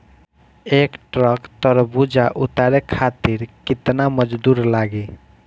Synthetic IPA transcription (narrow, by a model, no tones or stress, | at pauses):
ekʈɾəkt̪əɾbud͡ʒaʔut̪aɾekʰat̪iɾkit̪naməd͡ʒd̪uɾlaɡi